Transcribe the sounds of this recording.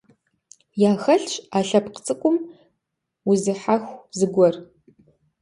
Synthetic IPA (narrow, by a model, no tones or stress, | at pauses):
jaːxɐɬɕʼaːɬɐpqt͡sʼɨkʷʼʊm | ʊzɨħaxʷzɨɡʷɔr